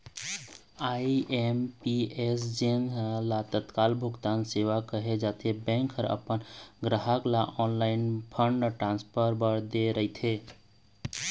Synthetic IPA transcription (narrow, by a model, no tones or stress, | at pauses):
aiempiesd͡ʒenlat̪ət̪kalbʱuɡt̪anseʋakəɦed͡ʒat̪ʰebɛ̃ŋkʰəɾə̰pənɡɾəɦəklaʔɔnlaɪnpʰəɳɖʈɾãnspʰəɾbəɾd̪eɾəit̪ʰe